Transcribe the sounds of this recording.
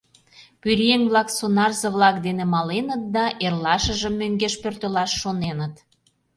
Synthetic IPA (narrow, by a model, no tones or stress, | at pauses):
pyɾʲeŋβlɑksonɑrzəβlɑk̚d̪enemɑlenət̪̚d̪ɑʔerlɑʃəʒə̆mːøŋɡeʃpørt̪ølɑʃːonenət̪